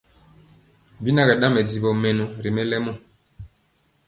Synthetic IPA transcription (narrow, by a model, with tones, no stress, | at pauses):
bi˦na˦kɛ˨ɗã˦mɛ˨di˨bɔ˨mɛ˨nu˨ɾi˨mɛ˦lɛ˦mɔ˦˨